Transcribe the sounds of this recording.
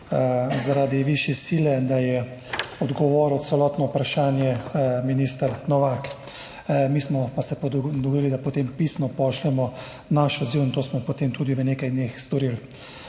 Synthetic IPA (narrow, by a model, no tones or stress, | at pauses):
zaɾaːd̪iʋiʃjɛsilɛd̪ajɛɔd̪ɡɔʋɔːɾɔt̪t̪sɛlɔːt̪nɔupɾaʃaːnjɛminiːst̪əɾnɔʋak | miːsmɔpasɛpd̪ɔɡod̪iːlid̪apot̪empiːsnɔpɔʃlɛmɔ | naʃɔd̪ziwint̪oːsmɔpot̪emt̪uːd̪iʋənekajd̪neːxst̪ɔɾil